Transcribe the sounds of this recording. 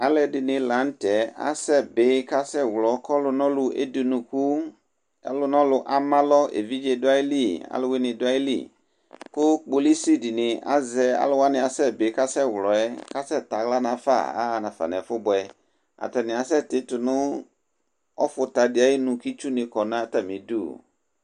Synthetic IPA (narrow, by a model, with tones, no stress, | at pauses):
a˨lɛ˨dɪ˨nɪ̃˨lã˨˦n˦tɛ˨˦a̰˦sɛ˦bɪ˨˦ka˦sɛ˦˨wlɔ˨kɔ˦lʊ˨nɔ̃˦lʊ˨ʔḛ˦di˨nũ˨ku˦ | ɛ̰˦lʊ˦nɔ̃˦lʊ˨ʔa˨mã˦lɔ˦ḛ˨vi˦d͡ʒe˦dʊ˦a˦i˦li˦˨a̰˨lʊ˦we˦nɪ̃˨dʊ˦a˦ji˦lḭ˦˨ | kʊ˦k͡po˨li˦si˦di˨nɪ̃˨a̰˦zɛ˨˦a̰˨˦lʊ˦wa˦nɪ̃˨a˨sɛ˦bɪ˨˦ka˦sɛ˦˨wlɔ˨ɛ˦ka˦sɛ˦t̪a˨ɣla˦nã˨fa̰˦˨a̰˦˨nã˨fa̰˨nɛ̰˨fʊ˦bʊ˨ɛ˨ | a̰˨tɛ˨nɪ̃˨a˨s̬ɛ˦t̪ɪ˦tʊ˨nʊ̃˦ | ɔ˦fʊ˨ta˨dɪ˨a˨˦e˦nũ˨ki˦t͡ʃu˦nɪ̃˨kɔ˨nã˦ta˨mĩ˨dṵ˦˨